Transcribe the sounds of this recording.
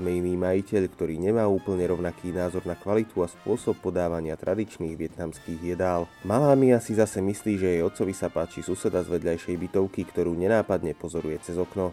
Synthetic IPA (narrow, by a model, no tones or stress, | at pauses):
mɛimiːmajicɛʎkt̪ɔɾiːɲɛmaːuːpl̩ɲɛɾɔʊnakʰiːnaːzɔɾnakʋalit̪ʰuaspʊɔsɔpːɔd̪aːʋaɲɪat̪ɾʔad̪it͡ʃniːɣʋɪɛt̪namskiːɣjɛd̪aːlmalaːmiasizasɛmisliːʒɛjɛjɔt̪sɔʋisapaːt͡ʃisusɛd̪azʋɛd̪ʎajʃɛjbit̪ɔʊkikt̪ɔɾuːɲɛnaːpad̪ɲɛpɔzɔɾujɛt͡sɛzɔknɔ